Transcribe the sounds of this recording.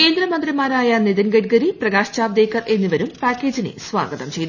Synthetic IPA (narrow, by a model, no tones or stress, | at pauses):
ke̞ːnd̪rɐmɐnd̪rimaːɾaːjɐniðɐnɡɐʈɡɐɾiprɐɡaːɕt͡ɕaːʋd̪eːkːɐre̞nːiʋɐɾumpaːkːeːd͡ʑinɨ̰sʋa̰ːɡɐðɐmt͡ɕe̞jt̪ː